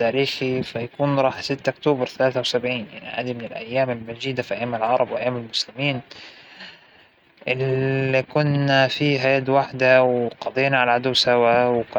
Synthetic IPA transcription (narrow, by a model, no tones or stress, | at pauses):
aːɾiːxifajakuːnɾˤɑːħsɪt̪ːʔʊkt̪oːbɑɾˤθalaːθawsabʕiːnja̰ʕniʔa̰ːd̪imɪnɪlʔajːaːmɪlmad͡ʒiːd̪afiʔajːaːmːalʕɑɾˤɑbwɪʔajːaːmalmʊslɪmiːn | ʔɪlikʊnːafiːɦajad̪waħd̪awqɑd̪ˤeːnaʕalaʕad̪uwsawawk